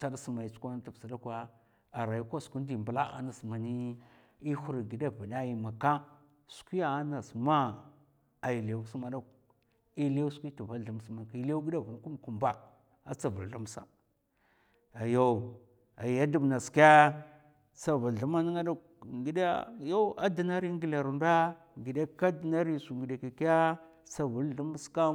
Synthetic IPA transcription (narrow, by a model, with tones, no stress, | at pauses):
ta˦da˦su˨ma˨i˨t͡su̥˦kʷa˦na˦ta˨bsa˨da˦kʷa˦ | a˨ɾa˨ji˦kʷa˦sku˦n˦di˨mbə˨la˦a̰˨na˨sma˨ni˦ | i˦hu˦ɾi˨ɡi˨da˦va˨da˦ji˨ma˨ka˦ | su̥˨˦kʷi˦ja˨a˦na˨sma˦ | a˨ji˨lsu˦ma˨da˦k | i˦lskʷi˦tu˨va˦lɬu˨m˦sma˨ki˦la˦ɡi˦da˦vu˨n˨˦ku˦m˨ku˨mba˨ | a˦t͡sa˨vu˨lɬu˦m˦sa̰˨ | a˨jo˦˨ | a̰˨a˦du˨bna˨ska˦ | sa˨vu˨lɬu˦ma˦ni˦ŋa˦da˦˨k̚ | ɡi˨da̰˦jo˦a˦da˨na˦ɾi˦ŋɡi˨la˨ɾu˨nda˦ | ŋɡi˨de˦ka˦di˨na˦ɾi˦˨su˨ŋɡi˨da˨ka˨ki˦ja˦ | sa˨vu˨lɬu˦m˦ska˦